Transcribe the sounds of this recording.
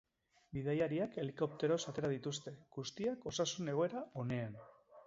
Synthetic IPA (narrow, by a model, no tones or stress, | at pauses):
biðajaɾiake̞liko̞p̚t̪e̞ɾo̞sat̪e̞ɾað̞it̪ust̪e̞ɡust̪iako̞sasune̞ɣ̞o̞e̞ɾao̞ne̞an